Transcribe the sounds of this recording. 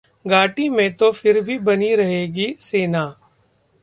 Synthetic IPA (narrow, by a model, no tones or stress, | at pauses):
ɡaːʈimẽt̪ofʰɪɾbʱibɐniɾɐɦeːɡiseːnaː